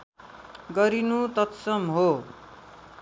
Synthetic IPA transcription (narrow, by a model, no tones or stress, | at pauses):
ɡʌɾinut̪ʌt̪sʌmɦo